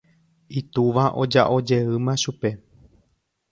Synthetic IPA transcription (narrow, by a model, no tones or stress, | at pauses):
it̪uʋaʔo̞d͡ʒa̰ʔo̞d͡ʒe̞ɨmãʃupe̞